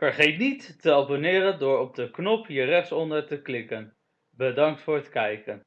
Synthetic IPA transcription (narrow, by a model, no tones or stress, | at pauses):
fəɹχejtnitːəɑbonɪːɾəndʊːɹɔb̚dəknɔpɦirɛχtsɔndəɹtəklɪkən | bədɑŋk̚tfʊːɹɦətkɛjkən